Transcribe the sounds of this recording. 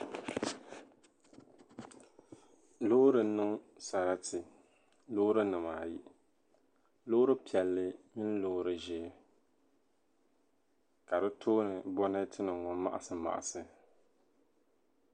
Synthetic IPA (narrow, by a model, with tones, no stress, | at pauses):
lo˦ɾɨ˨˦nɨ˦ŋ | sa˨ɾa˦tɨ˨ | lo˦ɾɨ˦nɨ˨maː˨ji˦ | loː˦ʊ˦ɾɨ˦pi˨ɛ˨lːɨ˦mɪ˦n˦lo˦ɾɨ˦ʒɛ˦ | ka˨dɨ˦tʰoː˦nɨ˨bɔ˦nɨ˦tʰɨ˦nɨ˨ŋɔ˨˦ma̰˨ʔa̰˨sɨ˨ma̰˨ʔa̰˨sɨ˨